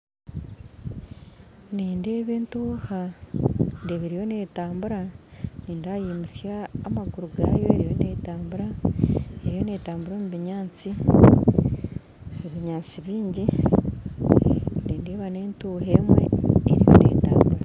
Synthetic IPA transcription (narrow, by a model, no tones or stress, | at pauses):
niːnde̞ːβe̞ːntuːha | ndeβiɾijo̞ne̞taːmbuɾaniːndajiːmusjaːmaɡuɾuɡa̰ːjo̞e̞ɾijo̞̰ne̞taːmbuɾa | eɾijo̞netaːmbuɾomuβiɲaːt͡si | eβiɲaːt͡siβiːɲɟi | niːnde̞ːβaneːntuːhe̞ːmwḛḛɾijo̰nḛita̰ːmbuɾa